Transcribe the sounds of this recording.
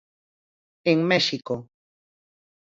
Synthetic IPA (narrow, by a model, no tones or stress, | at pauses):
eŋmeʃiko